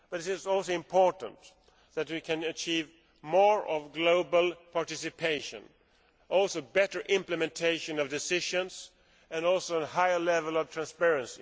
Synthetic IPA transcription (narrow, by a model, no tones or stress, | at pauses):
b̥ʌɾɪɾɪzɔlˠsoʊɪ̃mpʰɔɹʔn̩t | ðɨt̚wikʰɨ̃nɨt͡ʃʰiv | mɔɹʌvɡloʊbəl̩ˠpʰɑɹtɪsɨpʰeɪʃɨ̰̃n | ɔlˠsoʊbɛɾə˞ʔɪ̃mplɨmɛ̃ntʰeɪʃɨ̃nʌvdɪsɪʒɨ̃nz | ɨ̃nɔlˠsoʊə̃nhaɪəlɛvəl̩ˠʌv̥tʰɹ̥æ̃nspɛɹɨ̃nsi